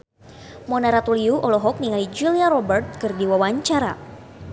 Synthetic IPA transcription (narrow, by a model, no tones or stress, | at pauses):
mɔnaɾat̪uliuʔɔlɔɦɔk̚niŋalid͡ʒuliaɾɔbərt̪̚kɨrdiwawaɲt͡ʃaɾa